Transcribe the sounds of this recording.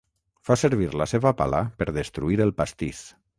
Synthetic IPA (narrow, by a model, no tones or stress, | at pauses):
fasəɾβiɾlaseβapa̰lapəɾðəst̪ɾuiɾəlˠpast̪is